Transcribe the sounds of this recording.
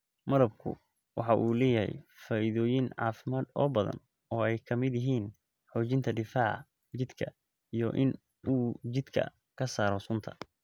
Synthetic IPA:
mɐðɐb̚kʰʊ̰ | wʔɑ̰ħɑʔuːlɛːjɐɦɛ̰jfaːʔɪðɔːjɪnʕɑ̰ːfɪmaːd̪ɔ̰ːbɐðɐ̰n | ɔːɛjkʰɐmɪd̪jɪɦiːn | ħɔːt͡ʃɪnt̪ʰɐɖɪfaːʕ | t͡ʃɪd̪kʰɐ | ijɔʔɪn | uːt͡ʃɪd̪kʰɐ̰ | kʰɐsaːɾɔsʊnt̪ʰɐ̥̰

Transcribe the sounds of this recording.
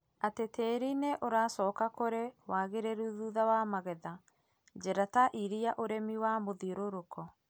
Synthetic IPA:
atetʰeːɾineʔoɾaːsɔːkakoɾewaːɣeɾeɾuðuðawamaɣɛða | d͡ʒɛɾataʔiɾiaʔoɾɛmiwamoðiɾoɾokɔ

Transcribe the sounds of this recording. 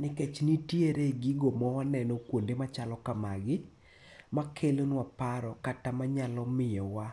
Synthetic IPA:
nɪket͡ʃnitjeɾeɡiɡomɔwanɛnɔkwondemat͡ʃalɔkamaɡɪ | makʰelonwapaɾɔkatamaɲalɔmɪjɔwa

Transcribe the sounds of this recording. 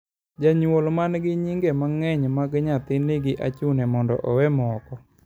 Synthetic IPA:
d͡ʒaɲwolmanɡɪɲiŋɡemaŋɛɲmaɡɲat̪ɪnɪɡɪʔat͡ʃunɛmɔndɔ̰ʔɔwɛmɔkɔ

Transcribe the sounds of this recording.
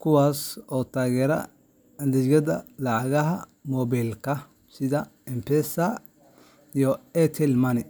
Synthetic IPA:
kʰʊwaːsɔːt̪ʰaːɣɛːɾɐ̰ | lɛɡɐðɐlɑʕɑɣɐɦɐ | mɔːbɛlkʰɐ | sɪðɐ | ɛmpʰɛsɐ | ijɔɛt̪ʰɛlmɐnɪ

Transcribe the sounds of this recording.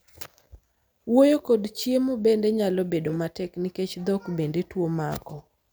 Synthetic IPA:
wojokodt͡ʃjemobendeɲalɔbedomatɛkniket͡ʃd̪ɔkbendetwomakɔ

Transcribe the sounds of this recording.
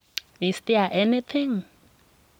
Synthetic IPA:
nistiaʔɛnit̪ʰɪ̃ŋ

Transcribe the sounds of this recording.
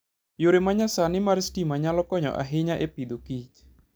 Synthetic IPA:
juɾemaɲasanimaɾisdimaɲalɔkɔɲɔ̰ʔa̰ɦiɲaʔepid̪okit͡ʃ

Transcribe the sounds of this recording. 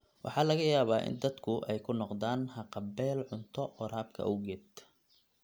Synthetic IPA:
wʔɑ̰ħɑːlɐɣɐjaːβaːʔɪ̰nd̪ɐd̪kʰʊʔɛjkʰʊnɔqd̪aːnhɐqɑbɛːlʕʊnt̪ʰɔɔɾaːb̚kʰɐ̰ʔɔwɣɛːd̪

